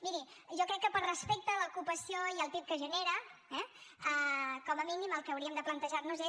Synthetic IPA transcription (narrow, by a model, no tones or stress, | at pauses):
miɾiʒɔkɾɛkːəpəɾrəspek̚t̪əːləkupəsioiəlˠt̪ip̚kəʒəneɾəɛəkɔməminiməlˠkəːwɾiəmd̪əplənt̪əʒarnuze